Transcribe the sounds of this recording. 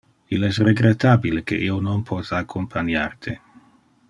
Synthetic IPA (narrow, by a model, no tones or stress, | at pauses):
ilɛsreɡɾet̪abilekḛʔiononpʰɔt̪aakʰːompʰanjart̪ʰe